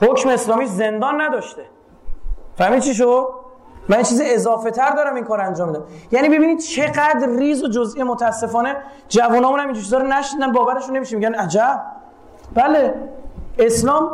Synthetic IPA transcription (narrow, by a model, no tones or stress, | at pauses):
hocmeeslɒːmiːʃze̞nd̪ɒːnːæd̪ɒːʃt̪e | fæhmid̪̚t͡ʃʰiʃ̬od̪̚ | mænjiet͡ʃʰiːzie̞zɒːfe̞t̪ʰæɾd̪ɒːɾæmiŋkʰɒːɾænd͡ʒɒːmid̪æmjæːniːbe̞biːnid̪̥̚t͡ʃʰe̞ɡæd̪ɾriːzod͡ʒozijemot̪ʰææsːe̞fɒːne | d͡ʒævunɒːmunhæmind͡ʒit͡ʃʰizɒːɾonæʃniːd̪ænbɒːvæɾeʃunːemiʃinmːiɟʲænæd͡ʒæb | b̥æle̞ | e̞slɒːm